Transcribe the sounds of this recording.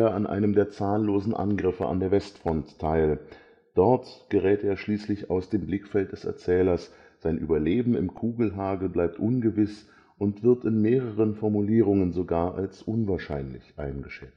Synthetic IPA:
ɐanʔa̰ɪnəmdeːɐt͡saːənloːzn̩ʔa̰nɡʁɪfə̰ʔa̰ndeːɐvɛstfʁ̥ɔntʰːaɪl | d̥ɔɐtɡ̥əʁɛːteːɐʃliːslɪça̰ʊsd̥eːmblɪkfɛlt̚d̥ɛsɛ̰ɐt͡sɛːlɐs | z̥aɪnʔy̰ːbɐleːbm̩ɪmkʰuːɡl̩ɦaːɡl̩blaɪp̚tʔʊnɡəvɪs | ʔʊntv̥ɪɐtɪnmeːʁəʁənfɔɐmuliːʁ̞ʊŋənzoɡaːɐʔa̰lsʔʊnvaːɐʃaɪnlɪ̰çʔaɪnɡəʃɛt͡st

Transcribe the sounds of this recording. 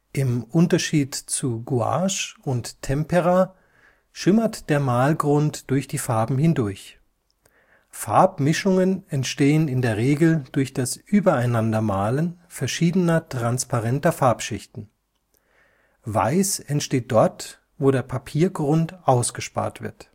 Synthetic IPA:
ʔɪmʔʊntɐʃiːtt͡suɡua̰ʃʊnttʰɛmpɛʁa | ʃɪmɐtd̥eːɐmaːlɡʁʊntd̥ʊɐçd̥iːfaɐbm̩hɪndʊɐç | fa̰ɐpmɪʃʊŋənɛntʃteːənɪndeːɐʁeːɡl̩d̥ʊɐçd̥asʔyːbɐaɪnandɐmaːlən | fɛɐʃiːdənɐtʁ̥anspaʁɛntɐfaɐpʃɪçtn̩ | va̰ɪsɛntʃteːt̚d̥ɔɐt | voːɾeːɐpʰapʰiːɐɡʁʊntʔaʊsɡ̥əʃpa̰ːɐtv̥ɪ̰ɐt

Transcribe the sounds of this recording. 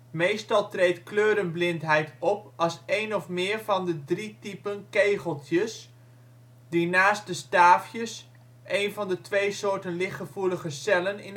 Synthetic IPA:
mejstɑlˠtrejtkløːɾənblɪntɦɛjtɔpɑlˠsejnɔfmɪːɹvɑndədritipənkejχəlˠtjəs | dinaːst̚dəstaːfjəs | ʔejnvɑndətʋejsoːɹtənlɪχəvuləχəsɛlənɪn

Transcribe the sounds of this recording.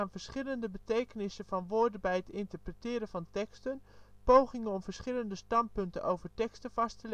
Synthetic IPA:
aːnvəɹsχɪləndəbətejkənɪsəvɑnʋʊːɹdənbɛjɦətɪntəɹprətɪːɾəvɑntɛkstənpowχɪŋənɔmvəɹsχɪləndəstɑnt̚pɵntə̰nʔowvəɹtɛkstəv̥ɑstəl

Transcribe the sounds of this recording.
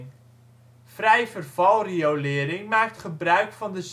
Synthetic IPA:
n | frɛjvərv̥ɑlˠriowlɪːəɾɪŋmaːk̚tχəbrœɥkfɑndəz

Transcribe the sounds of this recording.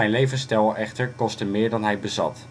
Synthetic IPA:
ɛjnlejvənstɛlˠɛχtəɹkɔstəmɪːɹdɑnɦɛjbəzɑ̰t

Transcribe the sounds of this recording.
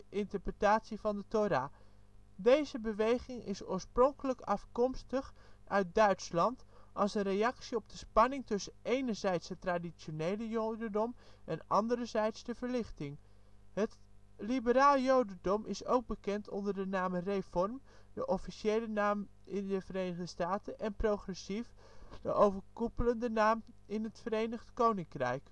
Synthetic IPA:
ɪntəɹprətaːtsivɑndətoɾaː | dejzəbəʋejχɪŋɪ̰sʊːɹsprɔŋkələkɑfkɔmstəχœɥt̚dœɥtslɑntɑlˠsənrejɑksiɔb̚dəspɑnɪŋtɵsənejnəɹzɛjtsɦətːraːdit͡ʃonejləjowdədɔmʔɛnɑndəɾəzɛjtsdəvəɹlɪχtɪŋ | ɦət | libəɾaːljowdədɔmʔɪso̰wɡ̚bəkɛntʰɔndəɹdənaːmərefɔrm | dəʔɔfiʃejlənaːm | ɪndəvəɾejnəχdəstaːtənʔɛnprowχrɛsif | dəʔowvəɹkupələndənaːm | ɪnɦətfəɾejnəχdkownɪŋkrɛ̰jk

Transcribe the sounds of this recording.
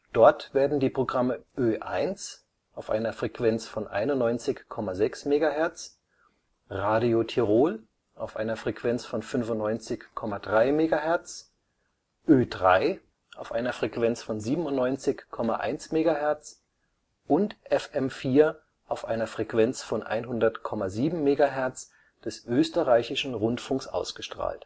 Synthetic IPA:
d̥ɔɐtv̥eːɐdn̩diːpʁ̥oɡʁaməʔøːʔa̰ɪnt͡s | ʔaʊfʔa̰ɪnɐfʁ̥ekv̥ɛnt͡sfɔnʔa̰ɪnʊntnɔʏnt͡sɪçkʰːɔmazɛksmeːɡahɛɐt͡s | ʁaːdiotʰiʁoːl | ʔaʊfʔa̰ɪnɐfʁ̥ekv̥ɛnt͡sfɔnfʏnvʊntnɔʏnt͡sɪçkʰːɔmadʁaɪmeːɡahɛɐt͡s | ʔøːdʁa̰ɪ | ʔaʊfʔaɪnɐfʁ̥ɛkv̥ɛnt͡sfɔnziːbm̩ʊntnɔʏnt͡sɪçkʰːɔmaʔa̰ɪnsmeːɡaɦɛɐt͡s | ʔʊntʔɛfʔɛmfiːɐ | ʔaʊfʔaɪnɐfʁ̥ɛkv̥ɛnt͡sfɔnʔa̰ɪnɦʊndɐtkʰɔmaziːbm̩meːɡaɦɛɐt͡s | d̥ɛsʔøːstəʁaɪçɪʃn̩ʁʊntfʊŋksʔa̰ʊsɡ̥əʃtʁ̥a̰ːlt

